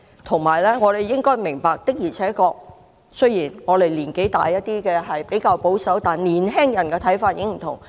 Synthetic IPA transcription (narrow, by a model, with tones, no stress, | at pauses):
t̪ʰʊ˨˩ŋmaː˨˩jlɛː˥ŋɔː˨˧ɾe˨jːɪ˥ŋkɔː˥jmɪ˨˩ŋpaː˨˧k̚t̪ɪ˥k̚jiː˨˩t͡sʰɛː˨˥kɔː˧k̚ | sɵ˥jiː˨˩nŋɔː˨˧le˨˩jliː˨˩nke˨˥jt̪a̰ː˨jːɐ˥t̚t̪iː˥kɛː˧ɦɐ˨jpe˨˥jkaː˧wpo˨˥wsɐ˨˥wt̪aː˨nliː˨˩nɦɛː˥ŋjɐ˨˩nkɛː˧t̪ʰɐ˨˥jfaː˧t̚jɪ˨˥ŋ̚m̩˨˩t̪ʰʊ̰˨˩ŋ